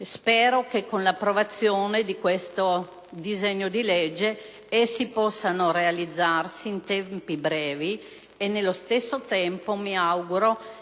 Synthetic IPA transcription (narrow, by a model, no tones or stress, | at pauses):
spɛːɾokekːonlapːɾovat̪sːjoːned̪ikwest̪o | d̪izɛɲːod̪ilɛd͡ʒːe | esːipɔsːanoɾealid̪zːarsiːnt̪ɛmpibɾɛːvi | enːelːost̪esːot̪ɛmpomiawɡuɾo